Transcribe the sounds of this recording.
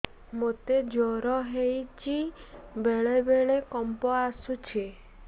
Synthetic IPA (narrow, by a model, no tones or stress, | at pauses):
mot̪ed͡ʒɔɾɔɦejt͡ʃʰibeɭebeɭekɔmpɔasut͡ʃʰe